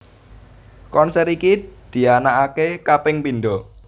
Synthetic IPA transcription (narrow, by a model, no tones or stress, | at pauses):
kɔnsɛɾikid̪̥i̤anaʔakekapɪŋpinɖɔ